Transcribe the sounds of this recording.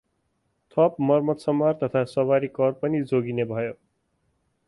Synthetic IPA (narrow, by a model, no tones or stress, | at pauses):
t̪ʰʌp̚mʌrmʌt̪sʌmːart̪ʌt̪ʰasʌβaɾikʌrpʌnid͡zoɡinebʱʌjo